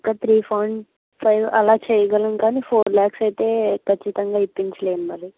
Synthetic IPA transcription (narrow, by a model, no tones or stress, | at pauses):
kɐt̪ʰɾiːpʰɐwɳɖ | pʰɐjʋɐlaːt͡ʃɛːjɐɡɐlɐnkaːniːpʰoːɾljaːksɐjt̪e̞ːkʰɐt͡ʃːit̪ɐŋɡaːipːiɲt͡ʃɐle̞ːnumɐli